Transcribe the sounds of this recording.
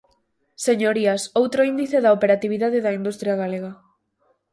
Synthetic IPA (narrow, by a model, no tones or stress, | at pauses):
seɲoɾiasowt̪ɾoind̪iθeðaopeɾat̪iβ̞iðaðeðaind̪ust̪ɾjaɣaleɣ̞a